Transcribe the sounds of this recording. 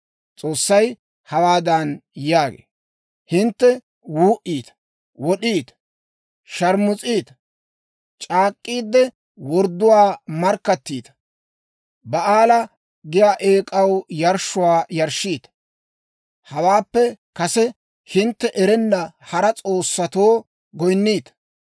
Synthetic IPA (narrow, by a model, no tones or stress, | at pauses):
t͡sʼo̞ːsːɐj | hɐwaːd̪ɐnjaːɡḛː | hɪnt̪ːɛ | wuːʔiːt̪ɐ̥ | wɔɗiːt̪ɐ̥ | ʃɐɾmʊt͡sʼiːt̪ɐ̥ | t͡ʃʼaːkʼːiːd̪ːɛ | wɔɾd̪ːʊwaːmɐɾkːɐt̪ːiːt̪ɐ̥ | bɐʔaːlɐ | ɡɪjaːʔeːkʼɐwjɐɾʃʊwaːjɐɾʃːiːt̪ɐ̥ | hɐwaːpːɛ | kɐsɛ | hɪnt̪ːɛʔɛɾɛnːɐhɐɾɐt͡sʼo̞ːsːɐt̪oː | ɡɔjnːiːt̪ɐ̥